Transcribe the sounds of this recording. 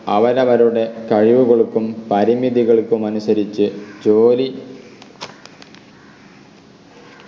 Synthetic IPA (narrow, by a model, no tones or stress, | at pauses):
ɐʋɐɾɐʋɐɾuɽe̞kɐɻiʋuɣoɭukːumpɐɾimiðiɣɐɭkːumɐnusɐɾit͡ɕːɨt͡ɕoːli